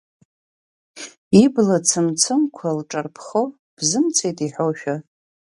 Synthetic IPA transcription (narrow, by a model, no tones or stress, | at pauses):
iblat͡sʰɨmt͡sʰɨmkʷʰalʈ͡ʂʼarpʰχo | b̥zɨmt͡sʰejtʼiħowʃᶣa